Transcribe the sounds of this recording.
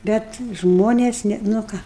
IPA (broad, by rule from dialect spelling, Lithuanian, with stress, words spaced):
ˈbʲɛt ˈʒmoːnʲeːs ˈnʲɛ nʊ ˈkɑː